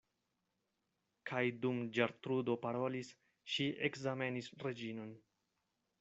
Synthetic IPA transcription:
kʰajdumd͡ʒaɾt̪ɾudo̞paɾo̞lis | ʃiekzame̞nisɾe̞d͡ʒino̞n

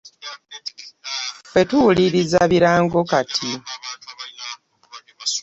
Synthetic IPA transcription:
fe̞tuwuliɾizaβiɾaːŋɡo̞katʰi

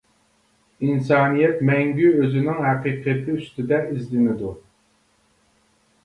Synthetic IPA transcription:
insɑːnijɛt̪mɛŋɡʲyøzɪnɪŋɦæqiːqʰt̪ʰɪyst̪ɪd̪ɛizlɪnɪd̪u

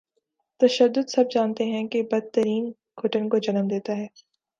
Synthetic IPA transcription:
t̪ɐʃəd̪ːʊd̪sɐb̚d͡ʒaːnt̪eɦɛ̃kebɐd̪̚t̪ːəɾiːn | ɡʰʊʈənkod͡ʒɐnəmd̪eːt̪aɦɛː

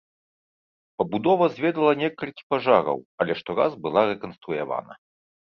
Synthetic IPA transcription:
pɐbud̪ɔvɐzʲvʲɛd̪ɐlˠɐnʲɛkɐlʲkʲi̥paʐaɾɐ̰wɐlʲɛʂt̪ɔɾazbɨlˠaɾɛkɐnst̪ɾuja̰va̰nɐ̰

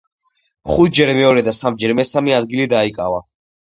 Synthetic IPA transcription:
χut̪̚ʰd͡ʒɛɾmɛɔɾɛd̪asamd͡ʒɛɾmɛsamiad̪ɡilid̪aikʼa̰va

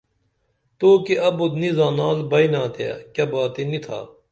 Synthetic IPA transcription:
t̪oːkeɐbot̪nizãːnaːlbɐinãːt̪ʰea̰ːkjɐːbaːt̪enit̪ʰa̰ː

